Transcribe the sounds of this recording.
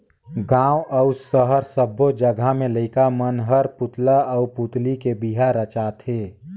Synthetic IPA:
ɡãːwʔəʊsəɦəɾsəbːod͡ʒəɡʱamẽləɪkamənɦəɾpʊt̪laəuput̪likebiɦaɾət͡ʃaːt̪ʰɦeː

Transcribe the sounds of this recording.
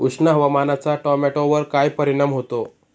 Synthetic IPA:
uʂnaɦəʋamanat͡saʈɔmɛʈoʋəɾkajpəɾiɽ̃amɦot̪o

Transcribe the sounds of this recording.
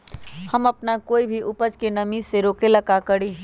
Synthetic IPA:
hɐmɐpnakoːibʱiʔʊpəd͡ʒkenɐmiseɾoːkelɐkakəɽiː

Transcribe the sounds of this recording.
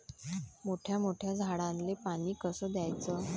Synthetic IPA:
moʈʰjamoʈʰjad͡zʱaɽãnlepaɽ̃iːkəsəːd̪jajt͡səː

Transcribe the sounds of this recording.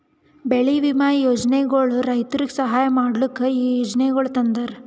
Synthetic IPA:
beɭiʋimaːjjoːd͡ʒneɡɐɭuɾɐjt̪ɐɾiɡesɐɦaːjɐmaːɽlikːɐiːjoːd͡ʒneɡɐɭut̪ɐnd̪ɐɾ

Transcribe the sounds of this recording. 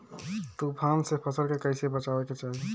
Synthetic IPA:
t̪ubʱamsepʰəsəɾkekəɪsiebət͡ʃabeket͡ʃaɦi

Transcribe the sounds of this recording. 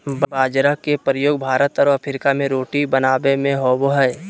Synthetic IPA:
bbaːd͡ʒɾakepɾəjoːɡ̚bʱaːɾət̪ɔːɾɐpʰɪɾɪkamẽɾoːʈibənaːbemẽɦoːboɦɛ

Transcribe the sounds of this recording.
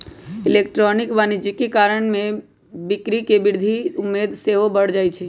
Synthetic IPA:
ilek̚ʈɾonikʋanid͡ʒikekaɾəɳmẽ | bikɾikebɪɾd̪ʱiʊmːed̪seɦobəɽ̤d͡ʒajt͡ʃʰɛ

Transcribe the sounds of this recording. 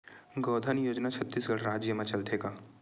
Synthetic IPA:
ɡɔːd̪ʱənjoːd͡ʒnat͡ʃʰət̪ːiːsɡɐɽɾaːd͡ʒjəmẽt͡ʃɐlt̪ʰeːɡaː

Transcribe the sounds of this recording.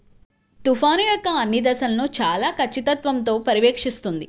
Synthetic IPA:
t̪ufaːnijɔkːɐɐnːid̪ɐsɐlɐnut͡ʃaːlaːkʰɐt͡ʃːit̪ɐt̪ʋɐmt̪̬o̞ːpɐɾiʋeːkʂist̪und̪i

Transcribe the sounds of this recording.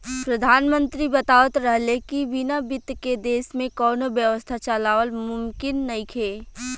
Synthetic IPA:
pɾəd̪ʱaːnmə̃nt̪ɾibɐt̪aːʋət̪ɾəɦlekiʋɪnabɪt̪ked̪eːsmẽkɔːnobjəʋəst̪ʰat͡ʃalaːʋəlmʊmkɪnːɐĩkʰeː

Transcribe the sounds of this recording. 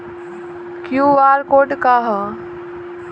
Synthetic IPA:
kjuːʋaːɾkoːɖkaːɦə

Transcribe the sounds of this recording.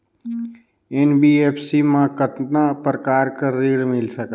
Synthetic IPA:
enbiepʰsimãkət̪napɾəkaːɾkəɾiɽmɪlsək

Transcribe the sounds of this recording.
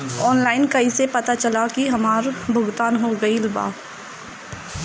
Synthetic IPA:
ɔːnlaːɪnkɐisepɐt̪at͡ʃɐlakiɦɐmaːɾbʱʊɡt̪aːnɦoɡɐilba̰ː

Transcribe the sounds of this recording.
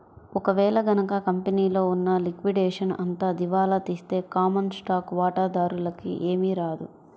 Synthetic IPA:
ɔkɐʋɛːlɐɡɐnɐkakɐmpeniːlo̞ːunːɐlikʋiɖɛːʂɐnɐ̰nt̪aːd̪iʋaːlɐt̪iːst̪e̞ːkaːmɐnsʈaːkʋaːʈaːd̪aːɾulɐkḭʔe̞ːmiɾaːd̪u

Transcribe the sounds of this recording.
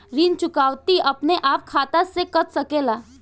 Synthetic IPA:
ɾint͡ʃʊkaːwt̪iʔəpneʔaːp̚kʰaːt̪asekət̪səkela

